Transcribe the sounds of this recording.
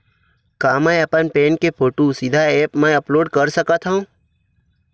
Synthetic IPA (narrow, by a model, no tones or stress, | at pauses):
kamãjəpənpẽnkepʰoʈusid̪ʱaepmãəploːɖkəɾsəkat̪ʰãũ